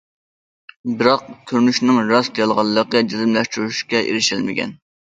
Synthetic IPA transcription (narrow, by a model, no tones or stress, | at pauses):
bɨɾɑq̚kʲʰøɾnyʃnɨŋɾɑsd̪ejɑlˠʁɑlˠːəqəd͡ʒizɨmlɛʃt̪uɾyʃkʲɛʔḛɾɪʃɪlmɪɡʲʰɛ̰n